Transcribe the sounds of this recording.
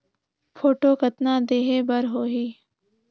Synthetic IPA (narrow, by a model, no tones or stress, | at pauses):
fʰoːʈoːkɐt̪naːd̪eːɦeːbəɾɦoːɦiː